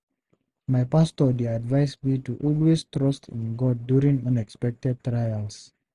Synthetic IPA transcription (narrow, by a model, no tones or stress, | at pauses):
majpastɔdiadvajsmituʔɔlwestɾɔstʰḭ̃nɡɔd̚ːjuɾĩŋə̃nɛkspɛk̚tɛd̚tɾajals